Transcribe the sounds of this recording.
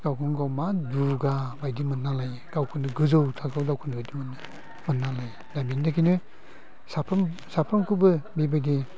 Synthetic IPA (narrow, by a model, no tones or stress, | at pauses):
ɡ̥awkʰɯŋɡawmaduɡabajdimɯnːalaj | ɡ̥awkʰɯnɯɡɯzɯwtʰaɡawdawkʰɯnɯbajdimɯnɯ | mɯnːalaj | dabindakʰinɯ | sapʰmsapʰamkubɯbibadi